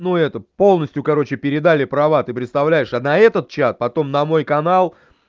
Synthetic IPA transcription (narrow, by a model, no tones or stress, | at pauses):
nuɛt̪əpo̞lˠnəsʲtʲjʊkɐɾo̞t͡ɕɪpʲɪɾʲɪd̪alʲɪpɾɐvat̪ɨpɾʲɪt̪st̪ɐvlʲæjɪʂanɐɛt̪ət̪̚t͡ɕat̪̚pɐt̪o̞mnɐmo̞jkɐnalˠ